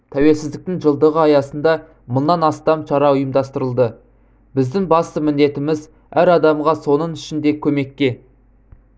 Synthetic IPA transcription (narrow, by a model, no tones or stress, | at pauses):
t̪ʰæwe̞lsɪzd̪ɪk̚t̪ɪŋʒəlˠd̪əʁəɑjɑsənd̪ɑ | mənːɑnɑst̪ɑmʃɑɾɑʊjəmd̪ɑst̪əɾəlˠd̪ə | bɪzd̪ɪŋbɑst̪əmɪnd̪e̞t̪ɪmɪz | æɾɑd̪ɑmʁɑso̞nəŋʏʃɪnd̪e̞kʲʰɵme̞kʲːe̞